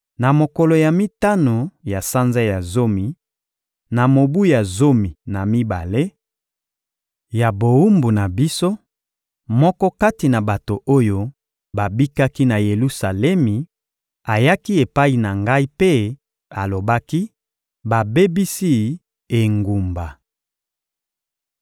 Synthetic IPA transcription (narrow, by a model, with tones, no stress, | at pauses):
na˨mo˨kɔ˨lo˨ja˨mi˦ta˦no˨ja˨sa˦nza˦ja˨zo˦mi˨ | na˨mo˨bu˦ja˨zo˦mi˨na˨mi˦ba̰˨le˦ | ja˨bo˨u˦mbu˨na˨bi˦so˦ | mɔ˦kɔ˦ka˦ti˨na˨ba˨to˨ʔo˦jo˦ | ba˨bi˦ka˦ki˦na˨je˨lu˦sa˨lɛ˦mi˨ | a˨ja˦ki˦e˨pa˦i˨na˨ŋɡa˦i˦pe˦ | a˨lo˨ba˦ki˦ | ba˨be˦bi˦si˦ | e˨ŋɡu˨mba˨